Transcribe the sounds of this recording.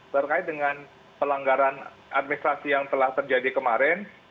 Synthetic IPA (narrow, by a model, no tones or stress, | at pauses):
t̪ərkaɪt̪̚dəŋan | pəlaŋɡaɾan | ʔat̪̚minist̪ɾasijaŋt̪əlaht̪ərd͡ʒadikəmaɾɛn